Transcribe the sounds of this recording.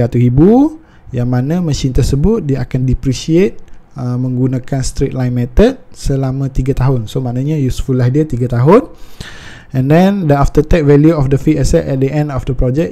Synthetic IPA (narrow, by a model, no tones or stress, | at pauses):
at̪uibu | jaŋmanãməʃint̪ərsəbʊt̪̚diəakandipɾisiet̪̚əmə̃ŋɡunãkanst̪ɾet̪̚lajnmɛt̪ət̪̚səlamãt̪iɡat̪aɦʊnsomãʔnãɲãjusfulahdiat̪iɡat̪aɦʊn | ɛ̃ndɛ̃ndəaft̪ət̪ɛk̚vɛljuɔfdəfiʔɛsɛt̪ɛt̪̚dəʔɛ̃ndɔfdəpɾɔd͡ʒɛk̚